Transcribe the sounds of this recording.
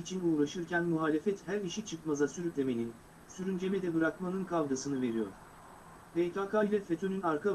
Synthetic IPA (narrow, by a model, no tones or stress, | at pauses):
it͡ʃʰinuːɾaʃɯɾcʰænmuɦaːlʲe̞fɛt̪hæɾiʃit͡ʃʰɯkmazasyɾyt̪lʲe̞me̞nin | syɾynd͡ʒe̞mɛd̪ɛbɯɾakmanɯnkʰavd̪asɯnɯve̞ɾijo̰ɾ̥ | vet̪ʰakʰajlʲɛfet̪ʰønynaɾkʰa